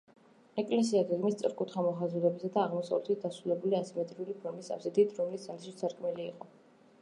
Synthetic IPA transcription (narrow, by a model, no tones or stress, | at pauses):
ɛkʼlɛsiaɡɛɡmist̪sʼɾkʼut̪ʰχamɔχazud̪ɛbisad̪aːʁmɔsavlɛt̪ʰit̪̚d̪asɾulɛbuliasimɛt̪ʼɾiulipʰɔɾmisa̰sɛd̪it̪ʰɾɔmlisaliʃit̪sʰaɾkʼmɛliːqʼɔ